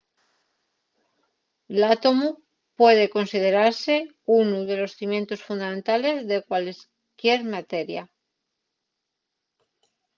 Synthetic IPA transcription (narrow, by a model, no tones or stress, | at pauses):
lat̪o̞mu | pwe̞ðe̞ko̞nsið̞e̞ɾaɾse̞ | unuðe̞lo̞sθimjẽ̞nt̪osfund̪amẽnt̪ale̞zðe̞kwales | kje̞ɾmat̪eɾja